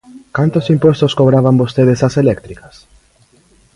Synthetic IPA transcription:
kant̪osimpwest̪oskoβɾaβambost̪eð̞esaselɛk̚t̪ɾikɐs

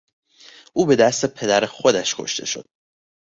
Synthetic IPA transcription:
ʔuːbe̞d̪æst̪epʰe̞d̪æɾexod̪æʃkʰo̞̰ʃt̪ʰe̞̰ʃo̞̰d̪̥̚

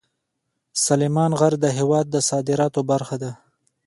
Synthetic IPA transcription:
salemɑnɣaɾd̪əɦewɑd̪̚ːəsɑd̪ɪɾɑt̪obaɾxad̪a

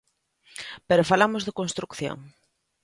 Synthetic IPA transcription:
peɾofalamozðekonst̪ɾukθjo̰ŋ

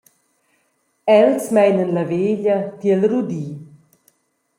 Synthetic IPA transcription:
ɛlsmɛjnənlaveʎət̪iɛlɾud̪iː

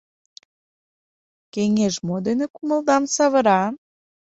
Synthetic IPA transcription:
keŋʲeʒmod̪enĕkumə̆ld̪ɑmsɑβə̆ɾɑ

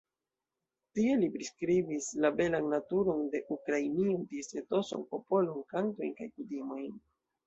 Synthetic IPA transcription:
tie̞lipɾiskɾibislabe̞lanːatuɾo̞nde̞ʔukɾainiontise̞to̞so̰npo̞po̞lonkanto̞jnkajkutimo̞jn

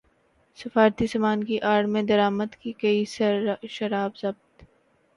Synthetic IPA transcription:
sɐfaːɾt̪isɐmaːnkiʔaːɽmẽd̪ɐɾaːməd̪kikɐisʃɐɾaːbzɐb̚t̪

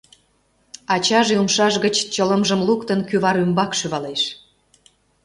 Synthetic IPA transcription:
ɑt͡ɕɑʒumʃɑʃɣət͡ɕt͡ɕələmʒə̆mlukt̪ənkyβɑɾymbɑkʃyβɑleʃ

